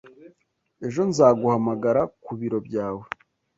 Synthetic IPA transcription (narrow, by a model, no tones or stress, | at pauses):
e̞ʒo̞nzaːɡuhamaɡaɾakuβiɾo̞bɟaːwe